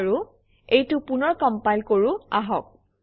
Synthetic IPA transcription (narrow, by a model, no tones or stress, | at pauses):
ɹu | ejtʊpunɔɹkɔmpajlkoɹuaɦɔk̚